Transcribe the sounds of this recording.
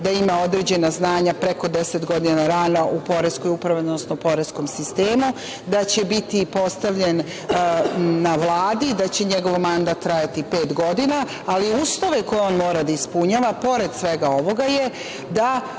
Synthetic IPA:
d̪aimao̞d̪ɾed͡ʑe̞naznaːɲapɾe̞ko̞d̪e̞set̪ɡo̞d̪inaɾanaʔupo̞ɾesko̞jupɾaʋid̪nosnopo̞ɾesko̞msist̪eːmu | d̪at͡ɕe̞bit̪ipo̞st̪aʋʎe̞n | aʋlˠaːd̪id̪at͡ɕe̞ɲeɡo̞ʋmand̪aːt̪ːɾaːjat̪ipe̞ːt̪ɡo̞d̪inaː | liuːslˠo̞ʋe̞ko̞jeo̞nmo̞ːɾad̪aispuɲaːʋapo̞ɾe̞d̪sʋe̞ɡao̞ʋo̞ɡaje̞ | d̪a

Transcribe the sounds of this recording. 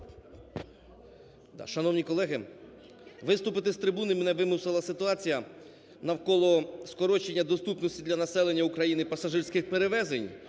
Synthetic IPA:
d̪̰ʃɐnɔwnʲikɔlˠɛɦɪ | ʋɪst̪ʊpɪt̪ɪst̪ɾɪbunɪmnɛʋɪmʊsɪlˠɐsɪt̪ʊɑt͡sʲijɐ | nɐwkɔlˠɔskɔɾɔt͡ʃenʲːɐd̪ɔst̪upnɔsʲtʲid̪lʲɐnɐsɛlˠenʲːɐukɾɐjinɪpɐsɐʒɪɾsʲkɪxpeɾeʋɛzenʲ

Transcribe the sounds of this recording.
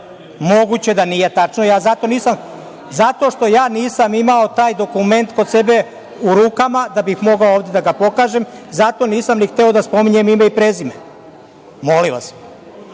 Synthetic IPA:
mo̞ɡut͡ɕe̞d̪aniːje̞t̪at͡ʃnojaːzat̪o̞niːsam | zat̪o̞ʃt̪o̞jaːniːsamimao̞t̪aːjd̪o̞kume̞nt̪kose̞be̞ | uɾuːkamad̪abixmo̞ɡaooːʋd̪e̞d̪aɡapo̞kaːʒemzat̪o̞niːsamnixt̪eo̞d̪aspo̞miɲe̞mimeipɾezime | mo̞liʋa̰s

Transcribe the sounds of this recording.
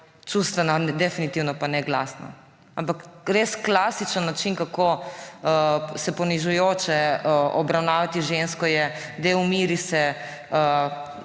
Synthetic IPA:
t͡ʃust̪ʋɛnad̪ɛfinit̪iwnɔpanɛɡla̰sna̰ | ampakɾeːsklaːsit͡ʃənːat͡ʃinkakoəsɛpɔniʒujoːt͡ʃɛəɔbɾawnaːʋat̪iʒenskɔjɛ | d̪eumiɾisɛ | ə

